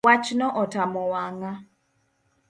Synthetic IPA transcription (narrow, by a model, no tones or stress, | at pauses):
wat͡ʃnɔʔɔtamɔwaŋa